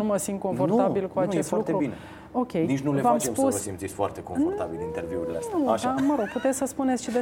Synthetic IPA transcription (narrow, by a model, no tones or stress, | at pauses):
uməsint̪̚ko̞ɱfo̞rt̪abilkuat͡ʃest̪luk̪eɾubine | o̞kʲʰe̞jnit͡ʃnulevamspusəsimt̪sit̪sʲfoa̰rt̪ekomfort̪a̰bḭlint̪erviṵɾilḛa̰st̪aʃaməɾo̞ɡ̥̚put̪et̪sʲsəspunet̪sʃid̪e